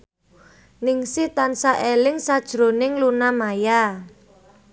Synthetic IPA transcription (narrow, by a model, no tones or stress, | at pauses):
nɪŋsit̪ansaʔelɪŋsad̥ʒ̥ɾonɪŋlunamaja